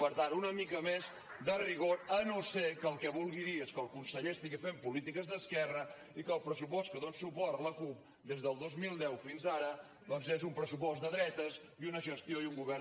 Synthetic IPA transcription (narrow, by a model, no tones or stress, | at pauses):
pəɾt̪aɾunəmikəmez | d̪əriɣoɾənosekəlˠkɛβulˠɣiðieskəlˠkunsəʎest̪iɣifempulit̪ikəzðəskɛrə | ikəlˠpɾəs̬upɔst̪kəðonsupɔrt̪ləkup̚ | d̪ezðəlˠd̪ozmilˠd̪ɛwfinzaɾə | d̪ɔnzezumpɾəsupɔzd̪əðɾɛt̪əz | iunəʒəst̪jojuŋɡuβɛr